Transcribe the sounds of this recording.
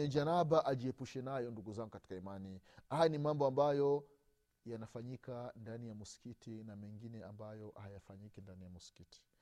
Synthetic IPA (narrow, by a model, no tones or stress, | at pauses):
ɛd͡ʒanabaʔaʄiɛpuʃɛnajɔnduɡuzaŋɡukati̥kaimanihajanimambɔambajɔ | janafaɲikandanijamusi̥kitinamɛŋɡinɛambajɔhajafaɲikindanijamusi̥kiti̥